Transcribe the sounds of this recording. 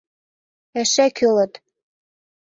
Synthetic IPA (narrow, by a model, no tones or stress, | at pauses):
æʃækʰølət̪